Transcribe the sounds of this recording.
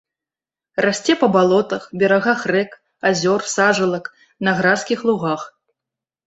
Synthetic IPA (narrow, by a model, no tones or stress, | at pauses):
rasʲt͡sʲɛpɐbalˠɔt̪ɐxbʲɛɾaɣaxrɛk | azʲɔrsaʐɐlˠɐk | nɐɣɾaskʲixlˠuɣax